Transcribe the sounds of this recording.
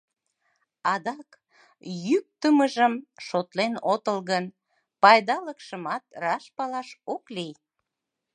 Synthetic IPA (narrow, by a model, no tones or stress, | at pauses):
ɑd̪ɑk | jyk̚t̪əməʒəmʃot̪lenot̪əlɣən | pɑjd̪ɑləkʃəmɑt̪rɑʃpɑlɑʃoklij